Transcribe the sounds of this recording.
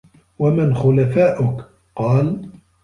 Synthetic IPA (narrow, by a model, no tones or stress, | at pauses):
wamɪnxʊlafaːʔʊk | qɑːl